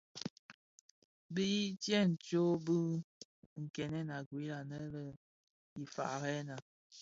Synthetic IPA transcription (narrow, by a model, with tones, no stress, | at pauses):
bi˦tjɛ˦n̩˨t͡ʃo˦bə˦ | ŋ̩˨kɛ˨nɛ˦na˨ɡwi˨˦la˨nə˦lə˦ | i˨fa̰˨ʔɣɛ˦na˨